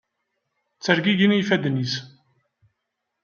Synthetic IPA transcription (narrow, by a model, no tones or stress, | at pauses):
t͡sːəɾɡiʝinijfæd̪nis